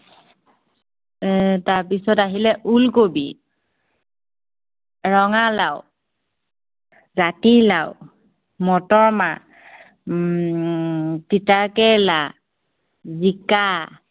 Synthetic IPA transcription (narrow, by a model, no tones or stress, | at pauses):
taɹpisɔtaɦilɛʔulkobḭ | ɹɔŋalaw | zatilaw | mɔtɔɹma | titakɛla | zika